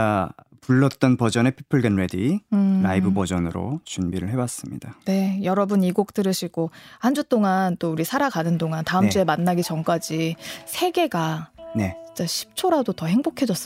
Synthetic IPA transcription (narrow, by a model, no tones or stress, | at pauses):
a | puɭːʌt̚t͈ʌnpʌd͡ʑʌne̞pʰi̥pʰɯɭɡenɾediɾa̰ibɯbʌd͡ʑʌnɯɾo̰t͡ɕunbiɾɯɭɦe̞was͈ɯmɲḭd̥ane̞jʌɾʌbuniɡok̚t͈ɯɾɯɕʰiɡohand͡ʑut͈oŋant͈ouɾisʰaɾaɡanɯndoŋantaɯmd͡ʑue̞manːaɡit͡ɕʌŋk͈ad͡ʑisʰe̞ɡe̞ɡane̞t͡ɕi̥t͡ɕ͈aɕʰi̥p̚t͡ɕʰoɾadotʌhe̞ŋbokʰe̞d͡ʑʌs͈